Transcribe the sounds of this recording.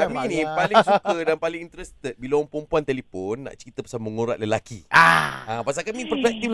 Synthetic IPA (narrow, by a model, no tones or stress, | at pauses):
aminĩpalɪsukədanpalɪŋint̪əɾəst̪ət̪̚bilaɔ̃ŋpɾəmpuant̪elifonːa̰ʔt͡ʃəɾit̪əpḁsaməŋoɾa̰ʔ̪̚ləlakḭaãpas̬alkamĩpəpɛk̚t̪i